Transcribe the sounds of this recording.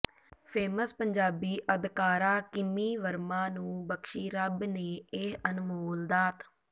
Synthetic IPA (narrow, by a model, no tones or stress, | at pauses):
pʰeːməspəɲd͡ʒaːbiːʔəd̪kaːɾaːkɪmiːʋəɾmãːnũːbəkʃiːɾəbneːeɦənmoːld̪aːt̪